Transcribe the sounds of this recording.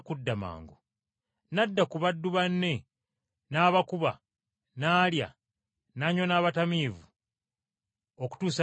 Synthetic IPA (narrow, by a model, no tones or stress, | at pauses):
kudːama̰ːŋɡo | nadːakuβadːuβanːe̞ | naːβakuβa | naːlja̰ | naɲonaːβatamiːvu | oku̥tuːsa